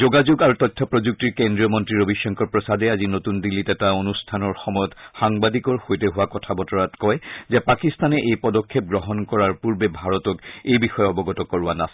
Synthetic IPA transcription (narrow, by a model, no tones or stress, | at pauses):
zoɡazuɡaɹutɔtʰːɔpɹozuk̚tiɹkendɹijɔmɔntɹiɹobiʃːɔŋkɔɹpɹɔsadɛazinotundilːitɛtaonustʰanɔɹxɔmɔjɔtxaŋbadikɔɹxojtɛɦʊwakɔtʰabɔtɔɹatkɔjzɛpakistanɛʔejpɔdɔkʰːep̚ɡɹɔɦɔnkɔɹaɹpuɹbɛbʱaɹɔtɔkejbixɔjɛɔbɔɡɔtɔkɔɹuwanas